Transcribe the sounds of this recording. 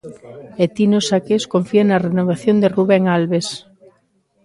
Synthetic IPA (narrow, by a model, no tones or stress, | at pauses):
et̪inosakeskoɱfianɐrenoβ̞aθjond̪eruβeŋalβes